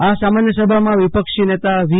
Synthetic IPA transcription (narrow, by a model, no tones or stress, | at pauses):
asamanjəsəbʱamãʋipəkʃinet̪aʋi